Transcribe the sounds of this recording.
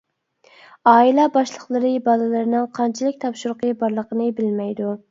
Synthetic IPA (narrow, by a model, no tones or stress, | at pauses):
ɑːilˠɑbɑʃlˠəqlˠɨɾɨbɑlˠɨlˠɨɾɨnɨŋqʰɑnt͡ʃʰilˠɪk̚ʲt̪ʰɑpʃuɾqəbɑɾlˠəqənɨbɪlmɛjd̪u